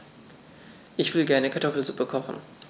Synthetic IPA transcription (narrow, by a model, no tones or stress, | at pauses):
ʔɪçv̥ɪlɡɛɐnəkʰaɐtʰɔfl̩zupəkʰɔχn̩